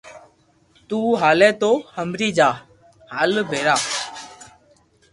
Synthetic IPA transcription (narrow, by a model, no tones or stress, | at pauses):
t̪uːɦaːlɛ̃ːt̪oːhəmɾiːd͡ʒaː | haːlbʱeːɾaː